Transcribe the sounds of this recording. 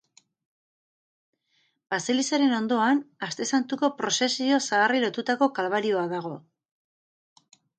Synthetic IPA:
b̥ase̞lisaɾe̞no̞nd̪o̞anast̪e̞sant̪uko̞pɾo̞se̞sio̞saːrilo̞t̪ut̪ako̞kalβaɾio̞aðaɣ̞o̞

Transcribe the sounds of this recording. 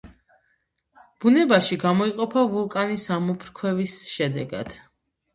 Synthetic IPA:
b̥unɛbaʃiɡamɔiqʼɔpʰavulˠkʼanisamupʰɾkʰwɛvisʃɛd̪ɛɡa̰d̪̥

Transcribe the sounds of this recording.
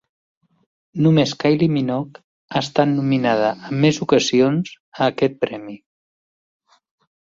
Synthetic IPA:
numeskajliminɔk | ast̪at̪numinað̞əʔəmːezukəzionz̥ | əːkɛt̪̚pɾɛmi

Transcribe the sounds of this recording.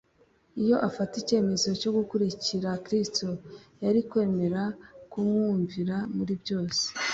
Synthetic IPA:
ijo̞ʔafatice̞ːme̞zo̞co̞ɡukuɾiciɾakɾistojaɾikwe̞ːme̞ɾakumŋuːɱviɾamuɾibjo̞ːse̥

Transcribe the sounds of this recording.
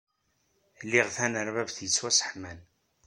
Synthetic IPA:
lːiʁθænəɾvævθjət͡sːwæsə̥ħmæn

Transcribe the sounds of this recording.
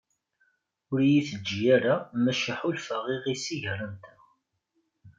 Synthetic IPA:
ʊɾjiθəd͡ʒːjaɾamæʃəħulfəʁiʁisiʝəɾˤəmt̪æ

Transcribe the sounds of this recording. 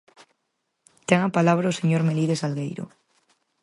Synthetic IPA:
t̪eŋapalaβ̞ɾaoseɲoɾmeliðesalɣejɾo̰

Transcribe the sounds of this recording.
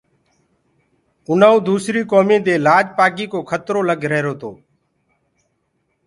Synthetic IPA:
ʊnaːuːd̪uːsɾiːkoːmĩːd̪eːlaːd͡ʒpaːkiːkoːkʰət̪ɾoːləɡʱɾeːɾoːt̪oː

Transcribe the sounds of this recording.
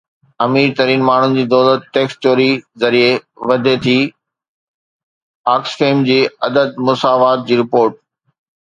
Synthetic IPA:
ɐmiːɾt̪ɐɾiːnmaːɳ̤ʊnɪ̆d͡ʑiːd̪ɔːlət̪̚ʈeːksʈt͡ɕoːɾizɐɾieʋɐd̪ʱet̪ʰi | aːksfeːmd͡ʑiːɐd̪əd̪̚mʊsaːʋaːt̪̚d͡ʑiːɾɪpoːɾʈ̚

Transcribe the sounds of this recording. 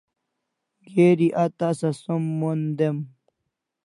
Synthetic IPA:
ɡeːɾiʔat̪asasumːond̪em

